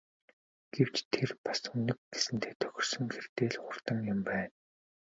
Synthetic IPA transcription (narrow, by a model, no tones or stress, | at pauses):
ɡ̥ew̥t͡ɕt̪ʰerpḁsɵnɵ̆k̚ɡesɘ̆nt̪ʰeːt̪ʰœ̥xʲɪ̆r̥sɵ̆ŋxert̪eːɮχʊr̥t̪ə̆mjʊ̆mpæːn